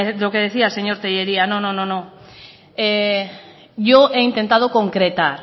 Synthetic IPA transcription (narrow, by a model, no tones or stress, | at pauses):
dokeð̞eθiaseɲoɾt̪ejeɾianõnõnõnõ | e | ʝoeint̪ent̪að̞okoŋkɾet̪aɾ